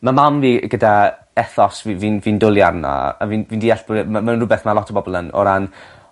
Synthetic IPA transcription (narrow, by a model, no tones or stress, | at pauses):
mamamviːɡəda | ɛθɔsviviːnviːndʊlˠjarna̰a̰vinviːndiːɛɬb̥ʊɾmamanrʊbɛθmalɔtʰɔbɔbɔlˠənɔ̰ɾan